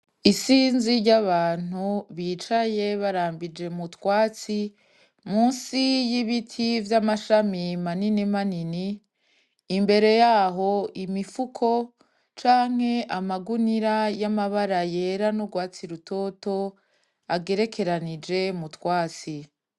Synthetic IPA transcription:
isiːnziɾɟaβaːn̥uβiːt͡ʃaje̞βaɾaːmbid͡ʒe̞mutwaːt͡si | muːnsijiβitʰivjamaʃamimaninimaniniː | mbe̞ɾe̞jaɦo̞ʔimifukʰo̞ | t͡ʃaːŋ̥he̞ʔamaɡuniɾajamaβaɾaje̞ɾanuɡwaːt͡siɾuto̞to̞ | aɡe̞ɾe̞kʰe̞ɾanid͡ʒe̞mutwaːt͡si

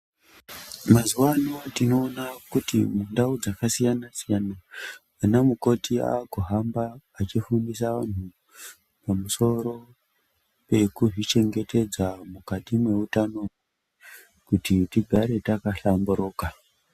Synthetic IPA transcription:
mazuwanoatino̞ːnakutḭmundaud͡zakasijanasijanaː | namuko̞tia̰ːkoɦambaːt͡ʃifundisaʋan̤u | pamuso̞ɾo̞ | pe̞kuʐit͡ʃe̞ŋɡe̞tʰe̞d͡zamukatimwe̞utano̞ | e | kutitiɡʱaɾe̞takaɬambuɾo̞ːka

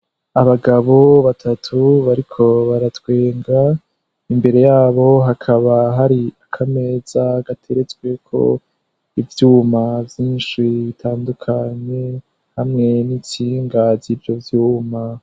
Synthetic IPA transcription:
aβaɡaβo̞βatʰatʰuβaɾikʰo̞βaɾatwe̞ːŋɡa | imbe̞ɾe̞jaːβo̞ɦakʰaβaɦaɾiakʰame̞ːz̥aɡatʰe̞ɾe̞t͡swe̞kʰo̞̰ | ivjuːmavjiːnʃiβitʰaːndukʰaɲe̞ | hamŋe̞nit͡ʃiːŋɡazivjo̞vjuːma

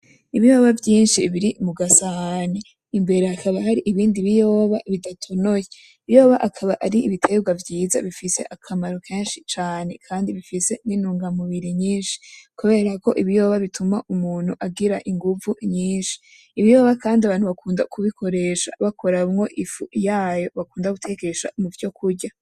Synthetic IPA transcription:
iβijo̞ːβavjiːnʃiβiɾimuɡasahane | imbe̞ɾe̞hakʰaβaɦaɾiʔiβiːndiβijo̞ːβaβidatʰonoje | iβijo̞ːβaʔakʰaβaʔaɾiiβitʰe̞ɡwavjiːza̰βifise̞̰ʔakʰamaɾokʰe̞ːnʃit͡ʃaːne̞kʰaːndiβifise̞ninuːŋɡamuβiɾiɲiːnʃi̥kuβe̞ɾako̞̰ʔiβijo̞ːβaβitʰumaʔumuːn̥huʔaɡiɾaʔiŋɡuvuɲiːnʃi̥ː | βijo̞ːβakaːndiaβaːnhuβakʰuːndakʰuβikʰo̞ɾe̞ʃa̰βako̞ɾamŋo̞ʔifujaːjo̞βakuːndaɡutʰe̞ɡe̞ʃa̰muvjo̞kʰuɾɟa

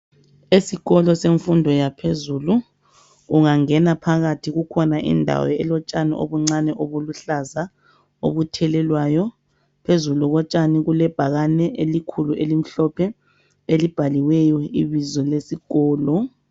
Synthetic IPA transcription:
esiɣɔlɔseɱfundʱɔjapʰezulu | uŋaŋɛnapʰaɣatʰiɣukʰɔnaʔḭndʱa̰wɔ̰ɛ̰lɔt͡ʃʼanḭʔo̰βuŋ͡ǀanɛʔoβuluɬaza | o̰βutʰɛlɛlwaːjɔ | pʰezuluɣɔt͡ʃʼaniɣulɛb̥ʱaɣanɛʔelikʰuluʔelim̩ɬɔpʰɛ | elib̥ʱaliwɛjɔḭβizɔlesiɣɔːlɔ

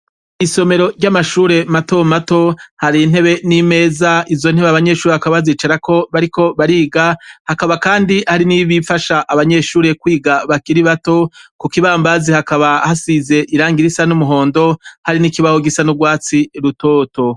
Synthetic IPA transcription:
iso̞me̞ɾo̞ɾɟamaʃuːɾe̞mato̞mato̞haɾin̥he̞βe̞nime̞ːzaizo̞nheβeaβaɲe̞ːʃuːɾehakaβaziːt͡ʃaɾako̞βaɾiko̞βaɾiːɡahakaβakaːndihaɾiniβifaʃaʔːβaɲe̞ʃuːɾe̞kwiːɡaβakiɾiβato̞kukiβaːmbazihakaβahasize̞ʔiɾaːŋɡiɾisanumuɦo̞ːndo̞haɾinikiβahoɡisanuɡwaːt͡siɾuto̞ːto̞

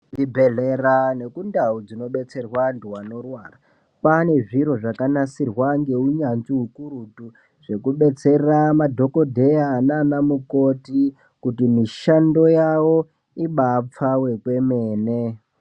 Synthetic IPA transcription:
dibʱeɮerane̞kundaud͡zino̞ɓe̞t͡se̞rwanduwano̞rwaːra | pane̞ʐiɾo̞ʐakanasirwaŋɡe̞uɲanziɦukuɾutu | ʐ̥e̞kuɓe̞t͡se̞rramadʱo̞ko̞dʱe̞jaːnanamuko̞ti | kutimiʃando̞jawo̞ | iɓap͡fawe̞kwe̞meːne

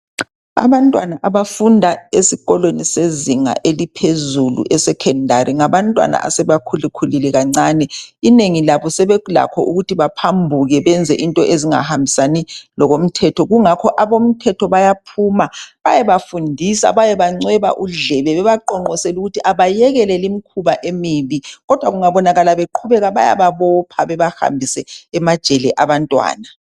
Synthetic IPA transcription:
a̰βantʼwanaʔaβafundʱaesiɣɔlweniseziŋa̰ʔelipʰezulṵʔɛsɛkʰɛndʱaɾʔiŋaβantʼwa̰na̰ʔa̰sɛβakʰulikʰulilɛɣaŋ͡ǀaːnɛineŋilaβɔsɛβɛla̰kʰɔʔuɣutʰiβapʰambʱuɣɛβɛnd͡zʱɛʔintʼɔʔeziŋa̰hambʱisanilɔɣom̩tʰɛtʰɔɣuŋakʰɔʔaβom̩tʰɛtʰɔβajapʰumaβajɛβafundʱisa̰βajɛβaŋ͡ǀɛβa̰ʔuɮɛβɛβɛβaǃɔŋ͡ǀɔsɛluɣutʰiʔaβajɛɣɛlɛlimikʰuβaʔemiβiɣɔd̥ʱwaɣuŋaβɔnaɣalaβeǃʰuβɛɣaβa̰ja̰βaβɔpʰaβɛβaha̰mbʱisɛːmad̥ʒ̥ʱɛlɛʔaβantʼwa̰ːna

